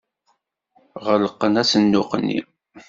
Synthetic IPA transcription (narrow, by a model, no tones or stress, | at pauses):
ʁələqːənæsənːʊqənːḭ